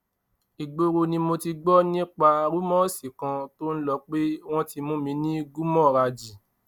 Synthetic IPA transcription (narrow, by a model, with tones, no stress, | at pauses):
i˨ɡ͡bo˧ɾo˧nĩ˧mo˧ti˧ɡ͡bɔ˦nĩ˦k͡pa˧ɾu˦mɔ̃˦˨si˨kã˧to˦n̩˦lɔ˧k͡pe˦w̃ɔ̃˦ti˧mũ˦mĩ˧˦nĩ˦ɡu˦mɔ̃˦˨ɾa˧d͡ʒi˨